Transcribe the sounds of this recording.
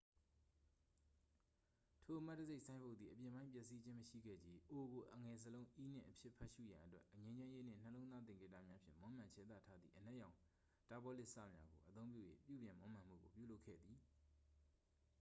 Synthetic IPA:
tʰo˨ʔəma˦tːə˨ze˦ɪʔsã˦ɪ̃mbo˦ʊt̪ðḭ˨əpjɪ̃˨mbã˦ɪ̃pjɛ˦ʔsi˦d͡ʑɪ̃˦məʃḭ˦˨ɡɛ̰˦˨d͡ʑi˦ʔo˨ɡo˨ʔə˨ŋɛ˨s̬əlõ˦ʊ̃ʔi˦n̥ɪ̰̃˦˨ʔəpʰjɪ˦ʔpʰɛ˦ʔʃṵ˦˨jã˨ʔətwɛ˦ʔɲẽ˦ɲd͡ʑã˦je˦n̥ɪ̰̃˦˨n̥əlõ˦ʊ̃nða˦t̪ɪ̃˨ŋke˦˨ta̰˦˨mja˦pʰjɪ̰̃˦˨mõ˦m̥ã˨ɲt͡ɕʰɛ˦t̪ä̰˦˨tʰa˦d̪ðḭ˦˨ʔən̥ɛ˦ʔjã˨ʊ̃ | ta˦bɔ˦lɪ˦ʔsä̰˦˨mja̰˨˦ɡo˨ʔə˨t̪õ˦ʊ̃pjṵ˦˨jḛ˦˨pjṵ˦˨bjɪ̃˨mõ˦m̥ã˨m̥ṵ˦˨ɡo˨pjṵ˦˨lo˦ʊkʰːɛ̰˦˨d̪ði˨

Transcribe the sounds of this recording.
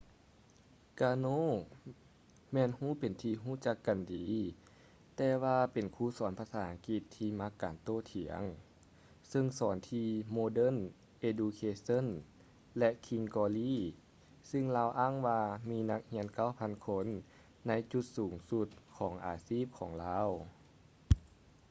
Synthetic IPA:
kaː˧noː˧˥˨ | mɛː˧˨nhuː˧˥˨pe˨nt̪ʰiː˧ɦuː˥˨t͡ɕa˧kːa˨ndiː˨˦ | t̪ɛː˧waː˧pe˨˩nkʰuː˧˩˨sɔː˨˦npʰaː˧saː˨˩˦ʔa˧ŋki˧t̪ʰːiː˧ma˧˥kːaː˨˩nt̪oː˧˩˨t̪ʰi˨˩˦əŋ | sɯ˧ŋsɔː˨˩˦nt̪ʰiː˧moː˧dɤ˧˥˨n | ʔeː˧duː˧kʰeː˧so˧˥˨n | lɛ˧kʰi˧ŋkɔː˧liː˧˥˨ | sɯ˧ŋlaː˧˩wʔaː˧˥˨ŋʋaː˧miː˧˥na˧k̚hi˧˥ənka˧˥˩wpʰa˧˥˨nkʰo˧˥˨nː | a˧˥jt͡ɕu˧t̪̚suː˨˩˦ŋsu˧˥t̪̚kʰɔː˩˦ŋʔaː˨siː˥˩p̚kʰɔː˩˦ŋlaː˧˥˨w

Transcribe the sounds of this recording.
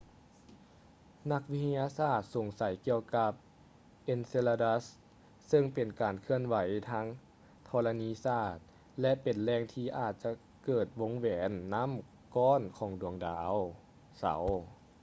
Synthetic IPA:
na˧˥k̚wi˧˥t̪ʰa˧jaː˧saː˧˩t̪̚so˨˩ŋsa˨˦jki˧əwka˧p̚ | ʔe˧nse˧la˧da˧˥s | sɤ˧ŋpe˨˩nkaː˨˩nkʰɯ˧ənʋa˨˩˦jt̪ʰaː˧˥ŋ | t̪ʰɔː˧la˧niː˧˥saː˧˩t̪̚ | lɛ˧˥ʔpe˨˩nlɛː˧ŋt̪ʰiː˧ʔaː˨˩t̪̚t͡ɕa˧ | kɤː˨˩t̪̚wo˧˥ŋwɛː˩˦nːa˧˥˨m | kɔː˧˥˨nkʰɔː˨˩˦ŋdu˨˩əŋdaː˩˦w | sa̰˨˩˦w

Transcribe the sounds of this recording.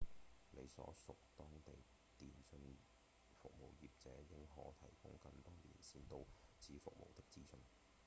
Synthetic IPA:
le˨˧jsɔ̰ː˨˥sʊ˨k̚t̪ɔː˥ŋt̪e˨˩j | t̪iː˨˩nsɵ˧n | fʊ̰˨k̚mo̰˨˩wjiː˨p̚t͡sɛ̰ː˨˥jɪ˥ŋɦɔ̰ː˨˥t̪ʰɐ˨˩jkʊ̰˥ŋkɐ˧nt̪ɔː˥lḭː˨˩nsiː˧nt̪o˧wt͡sʰiː˨˧fʊ˨k̚mo̰˨˩wt̪ɪ˥k̚t͡siː˥sɵ˧n

